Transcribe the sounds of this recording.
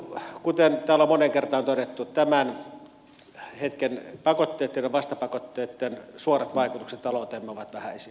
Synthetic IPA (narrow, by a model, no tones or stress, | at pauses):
kut̪ent̪æːlomoneŋkert̪ɑːnt̪odet̪ːut̪æmæn | het̪kenpɑkot̪ːeːt̪ːeneʋɑst̪ɑpɑkot̪ːeːt̪ːensuorɑt̪ʋɑˑikut̪ukset̪t̪ɑlot̪eːmːeoʋɑt̪ʋæhæisi